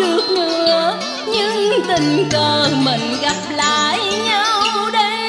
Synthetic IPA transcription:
ɨ˨˩ək̚ŋɨ˨˧˩əə | ɲɨ˧˥ŋt̪ï˨˩ŋ̟kəː˨˩mï˨˩ŋ̟ɣa˨˩p̚la̰ː˧˨jɲa˧wɗə˧˦

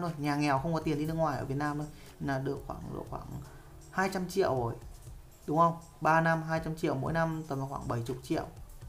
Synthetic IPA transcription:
o˧jɲaː˨˩ŋɛ˨˩wxə˧wŋ͡mkɔ˨˦t̪i˨˩ənɗi˧n˧əŋwaː˨˩jʔəː˧˩i˨˩t̚naː˧mto˧˩j | naː˧˩ɗɨ˨˩ək̚xwa̰ː˧˩ŋɗɨ̰˨˩ək̚xwaː˧˩ŋ | haː˧jt͡ɕa˧mt͡ɕḭ˧˨əwo˨˩j | ɗʊ˨˦ŋ͡mʔə˧wŋ͡m | ɓaː˧na˧mɦaː˧jt͡ɕa˧mt͡ɕḭ˧˨əwmo̰˧˥jna˧mt̪əː˨˧˩ma˧˩xwa̰ː˧˩ŋɓə˧˩jt͡ɕʊ˨˩t̚t͡ɕḭ˧˨əw

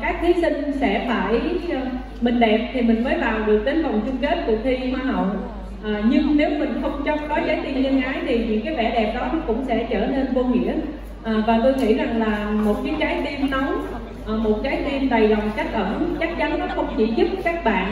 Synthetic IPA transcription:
kaː˦˥k̚t̪ʰi˨˦sï˧ŋ̟sɛ̰˧˥fa̰ː˧˩j | mï˨˩ŋ̟ɗɛ˨˩p̚t̪ʰi˨˩mï˨˩ŋ̟məː˨˦jvaː˨˩wɗɨ˨˩ək̚ɗ̪e˨˦nvɔ˨˩wŋ͡mt͡ɕʊ˧ŋ͡mke˦˥t̚kʊ˨˧˩xʰi˧hwaː˧˩ɦə˧˨w | ʔaː˨˩ɲɨ˧ŋne˨˦wmï˨˩ŋ̟xə˧wŋ͡mt͡ɕɔ˨˦wŋ͡m̚ɗɔ˨˦jkaː˨˦jt̪i˧mɲə˧nʔaː˨˦jt̪ʰi˨˩ɲɨ̰˧˥ŋkaː˨˦jvɛ˧˩ɗɛ˨˩p̚ɗɔ˨˦˨kʊ̰˧˥ŋ͡msɛ̰˧˥t͡ɕəː˧˩ne˧nvo˧ŋḭ˧˥ə | ʔːvaː˨˩t̪o˧jŋḭ˧˩za˨˩ŋlaː˨˩mo˨˩t̚kiː˨˦kaː˨˦jt̪i˧əmnə˨˦w | ʔːmo˨˩t̚kaː˨˦jt̪i˧mɗa˨˩jzɔ˨˩wŋ͡mt͡ɕa˦˥jk̚ʔəː˧˩˨t͡ɕa˦˥t̚t͡ɕa˨˦nnɔ˨˦xə˧wŋ͡mt͡ɕḭ˧˩zɨ˦˥p̚kaː˦˥k̚ɓa̰ː˧˨n

